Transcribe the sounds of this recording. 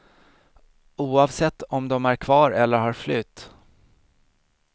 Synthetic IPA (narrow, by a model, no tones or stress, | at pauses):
uːɑvsɛt̪ːɔmd̪ɔmæɾkʰvɑːɾɛlːəɾhɑɾflʏt̪ː